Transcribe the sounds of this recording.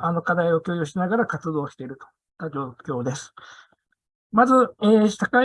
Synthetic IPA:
ano̞kad̪aio̞kʲoːjoːɕinaɡaɾakat͡sɨd̪o̞ːɕi̥t̪e̞ɾɯ̟t̪o | t̪ad͡ʑo̞ːkʲo̞ːd̪e̞sɨ̥ | mazɨeːsaka

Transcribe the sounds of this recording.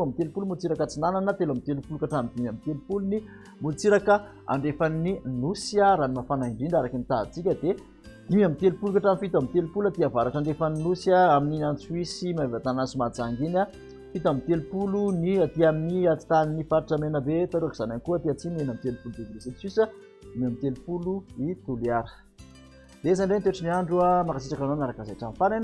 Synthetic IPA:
amit̪elupulumult͡siɾakat͡sinananət̪elamit̪elupulukaʈ͡ʂamd̪imamit̪elupuluni | mult͡siɾakə | a̰ɳɖ͡ʐefaninusiaɾanimafanaiɳɖ͡ʐiɳɖ͡ʐaɾakinit̪a̰t͡sikʲəd̪e | d̪̥imamit̪elupulukaʈ͡ʂamfit̪amit̪elupulat̪iavaɾaʈ͡ʂaɳɖ͡ʐefaninusiaaminiant͡suwisimavat̪anansumad͡zaŋɡina | fit̪amit̪elupuluniat̪iaminiat͡si̥t̪aninifaɾaʈ͡ʂamenəbet̪aɾuaki̥zanankuət̪iat͡simenamit̪elupulud̪evinesisisə | d̪imiamit̪elupuluit̪uliaɾə̥ | d̪eesanɳɖ͡ʐent̪eʈ͡ʂiniaɳɖ͡ʐuamakasiʈ͡ʂakanonaɾakazaʈ͡ʂamfanan

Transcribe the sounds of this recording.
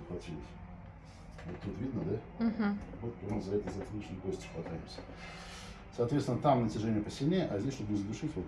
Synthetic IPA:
əxvɐtʲilʲɪsʲ | vot̪ːut̪vʲid̪nəd̪a | ɦ̩vot̪ːoʐəzɐɛt̪əzɐɛt̪əlʲit͡ɕnɨjkosʲtʲɪ̥xvɐt̪ajɪmsʲə̥ | sɐːt̪vʲet̪svʲɪnət̪amnətʲɪʐɛnʲɪjəpəsʲɪlʲnʲeʔazʲdʲesʲʂt̪obənʲɪzd̪ʊʂɨtʲvot̪

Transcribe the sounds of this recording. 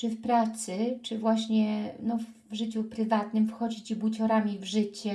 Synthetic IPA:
t͡ʂɘfpɾat̪sɘt͡ʂɘvwaɕɲɛnɔv | vʐɘt͡ɕupɾɘvat̪nɘmfxɔd͡ʑit͡ɕibwut͡ɕɔɾamʲivʐɘt͡ɕɛ

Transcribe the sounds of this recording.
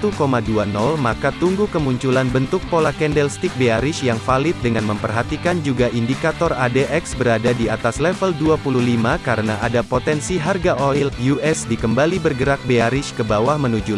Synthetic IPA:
t̪ukomaduanɔlmakat̪uŋɡukəmuɲt͡ʃulanbənt̪ʊk̚polakɛndɛlst̪ik̚beaɾɪʃjaŋfalɪt̪̚dəŋanməmpərɦat̪ikand͡ʒuɡaʔindikat̪ɔradeʔɛksbəɾadadiat̪aslɛfəlduapuluhlimakaɾənaʔadapot̪ɛnsiɦarɡaʔoiljuɛsdikəmbalibərɡəɾak̚beaɾɪʃkəbawahmənud͡ʒu

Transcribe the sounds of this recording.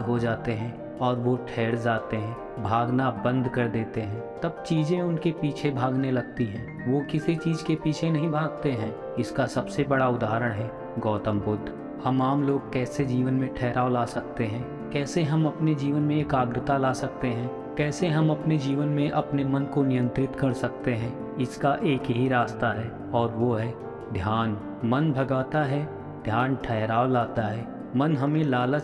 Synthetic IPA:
ɦod͡ʒaːt̪eɦɛ̃ | ɔːɾʋoʈʰɛːɽd͡ʒaːt̪eɦɛ̃ː | bʱaːɡnabɐ̃nd̪ʱkɐɾd̪eːt̪eɦɛ̃ːt̪ɐb̚t͡ʃiːzẽʊnkepiːt͡ʃʰebʱaːɡnelɐɡ̚t̪iɦɛ̃ː | ʋoːkɪsit͡ʃiːd͡ʒkepiːt͡ʃʰenɐɦĩbʱaːɡ̚t̪eɦɛ̃ː | ɪskasɐbsebɐɽaʊd̪aːɾəɽ̃ɦɛː | ɡɔːt̪ə̃mbʊd̪ʱː | hɐmaːmloːɡ̚kɛːsed͡ʒiːʋənmẽʈʰɛːɾʔaːolaːsɐk̚t̪eɦɛ̃ː | kɛːseɦɐmɐpned͡ʒiːʋənmẽeːkaːɡɾɪt̪alaːsɐk̚t̪eɦɛ̃ː | kɛːseɦɐmɐpned͡ʒiːʋənmẽʔɐpnemɐnkonɪjə̃nt̪ɾɪt̪kɐɽsɐk̚t̪eɦɛ̃ː | ɪskaʔeːkɦiɾaːst̪aɦɛː | ɔːɾʋoɦɛ | d̪ʱjaːn | mɐnbʱɐɡaːt̪aɦɛː | d̪ʱjaːnʈʰɛɦɾaːolaːt̪aɦɛː | mɐnɦɐmẽlaːlə

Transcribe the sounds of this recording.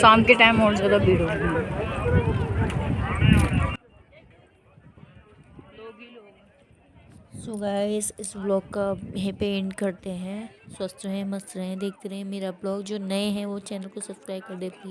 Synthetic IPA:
sãːnkeʈaːɪmɦɔːɾzjaːd̪abʱiːɽoɛ̃o | loːɡilo | sʊɡaːiɪsɪsblɔːkːajɐɦãpeɛ̃ɳɖkɐɾt̪eɦɛ̃swɐst̪ɦɛ̃mɐst̪ɾɦɛ̃d̪eːkʰt̪eɾɦɛ̃meːɾablɔːkd͡ʒoːnɐeɦɛ̃ʋot͡ʃɛːnəlkosɐbskɾaːɪkɐɾd̪epɐɾi

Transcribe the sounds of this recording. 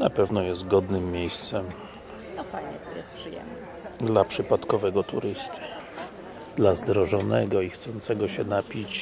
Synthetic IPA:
napɛvnɔjɛst̪̚ɡɔd̪nɘmːjejst̪sɛm | aɲɛt̪ɔjɛst̪pʂɨjɛ̰mnɛ | d̪lapʂɘpat̪kɔvɛɡɔt̪ṵɾɘst̪ɨ̥ | d̪lazd̪ɾɔʐɔnɛɡɔixt̪sɔnt̪sɛɡɔɕɛnapʲit͡ɕ

